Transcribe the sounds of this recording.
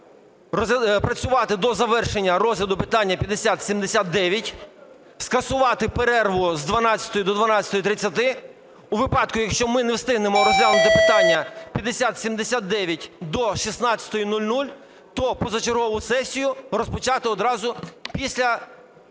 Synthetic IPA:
pɾɐt͡sʲʊʋɑt̪ɪd̪ɔzɐʋɛrʃenʲːɐɾɔzʲlʲɐd̪ʊpɪt̪ɑnʲːɐpʲjɐd̪esʲat̪sʲimd̪esʲat̪̚d̪ɛʋʲjɐtʲ | skɐsʊʋɑt̪ɪpeɾɛrʋʊzd̪ʋɐnɑt͡sʲɐ̥t̪ɔjʊd̪ɔd̪ʋɐnɑt͡sʲsʲɐ̥t̪ɔjit̪ɾɪt͡sʲːɐt̪ɪ | uʋɪpɑd̪kʊjɐkʃt͡ʃɔmɪnɛwst̪ɪɦnemɔɾɔzʲlʲalˠnt̪ɪpɪt̪ɑnʲːɐpʲjɐd̪esʲat̪sʲimd̪esʲat̪̚d̪ɛʋʲjɐtʲd̪ɔʃisnɑt͡sʲɐ̥t̪ɔjinulʲnulʲ | t̪ɔpɔzɐt͡ʃerɦɔʋʊsɛsʲijʊrɔspɔt͡ʃɑt̪ɪɔd̪ɾɑzʊpʲisʲlʲɐ

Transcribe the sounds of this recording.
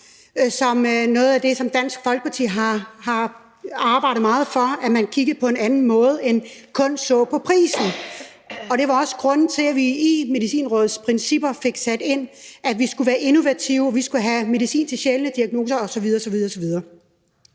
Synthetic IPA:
sɒ̽mnɔ̽ːð̩ˠæd̥e̝sɒ̽md̥æn̰sɡ̥fɒ̽lɡ̥ə̥pʰɑ̈t͡sʰḭːɦɑ̈hɑ̈ | ɑ̈ːb̥ɑ̈ɪ̰ɾð̩ˠmɑ̈ːð̞̩ˠfɒæmænkʰiɡ̥ð̩ˠpʰɒ̽e̝nænn̩mɔ̽ːð̞̩ˠenkʰɔ̽n̰sɔ̰̽ːpʰɒ̽pʰʁḭːsn̩ | ɒ̽ɾ̥e̝ʋɑ̈ɒ̽sə̥ɡ̥ʁɔ̽n̰n̩t͡sʰe̝læʋiːme̝ðisḭːnʁɔ̽ːð̩ˠspʰʁɛnsib̥ɐfe̝ɡ̥sæd̥e̝n̰æʋisɡ̥uʋæːɐʔeno̝ʋæt͡sʰiʊɒʋisɡ̥uɦæme̝ðˠisḭːnt͡sʰe̝ɕelənəd̥iæɡ̥̚no̝ːsɐɒ̽sɒ̽ʋið̞ˠɐːsɒ̽ʋið̞ˠɐɒ̽ːsɒ̽ʋið̞ˠɐː

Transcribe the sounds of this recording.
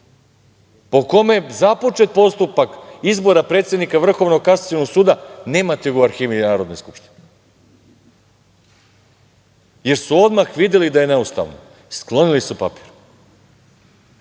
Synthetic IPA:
po̞ko̞me̞zapo̞t͡ʃe̞t̪̚po̞st̪upakizbo̞ɾapɾet̪sje̞d̪nikaʋr̩xo̞ʋnokasat̪jonoɡsuːd̪ane̞ːmat̪eɡuaɾxiːʋinaːɾo̞d̪nojskupʃt̪i̥ne | je̞ɾsuo̞d̪maxʋid̪jelid̪aje̞ne̞ust̪a̰ʋno̰ | sklˠo̞nilisupa̰pi̥ːɾu

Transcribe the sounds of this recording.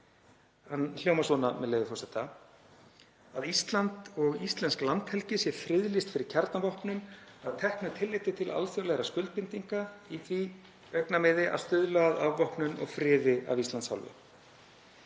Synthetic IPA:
hanljowmasɔnamɛðlejvɪfɔsɛht̪ːa | aðist̪lant̪ɔɣist̪lɛnsklant̪hɛlcɪsjɛɾfɾɪðlist̪fɪɾɪɾ̥cʰɛɾt̪navɔhpnʏnaðt̪ʰɛhknʏt̪ʰɪlːɪjt̪ɪt̪ʰɪlʔa̰lfjowlɛɣɾaskʏlt̪̚pɪnt̪iŋkaiθvi | œknamɪðɪʔa̰ðst̪ʏðlaaðavvɔhpnʏnɔ̰ɣfɾɪːðɪa̰vist̪lansha̰wlvʏ̰

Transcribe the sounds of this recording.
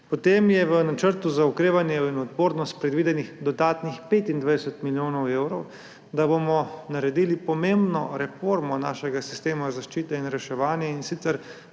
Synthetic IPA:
pɔt̪eːmjɛʋənat͡ʃəɾt̪uzaukɾeːʋanjɛinɔt̪boːɾnɔst̪̚pɾɛd̪ʋiːd̪ɛnixd̪ɔd̪aːt̪nixpeːt̪ind̪ʋajd̪ɛsɛt̪miljoːnɔwewɾɔw | d̪abomɔnaɾɛd̪iːlipɔmembnɔ̰ɾɛfoːɾmɔna̰ːʃɛɡasist̪eːmazaʃt͡ʃiːt̪ɛinɾɛʃɛʋaːnjɛinsit̪sɛɾ

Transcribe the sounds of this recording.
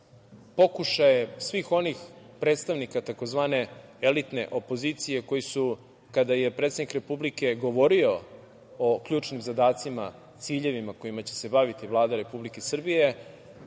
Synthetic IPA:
po̞kuʃajesʋixo̞nixpɾe̞ːt̪st̪aʋnikat̪ako̞zʋaːne̞elit̪ne̞̰ʔo̞po̞ziːt̪sije̞ko̞jisu | kad̪aje̞pɾet̪sed̪nikɾe̞publike̞ɡo̞ʋo̞ɾio̞ | okʎuːt͡ʃnimzad̪aːt̪sima̰ | t̪siːʎe̞ʋimako̞imat͡ɕe̞̥se̞baʋit̪ivlˠaːd̪aɾe̞publike̞sr̩bije̞

